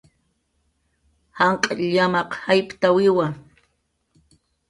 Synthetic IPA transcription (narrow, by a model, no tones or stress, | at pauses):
haɴqʼaʎʎamɑqhajpt̪awɪwa